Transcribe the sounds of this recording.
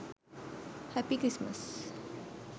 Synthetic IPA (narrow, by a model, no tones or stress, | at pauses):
hæpikɾismə̰s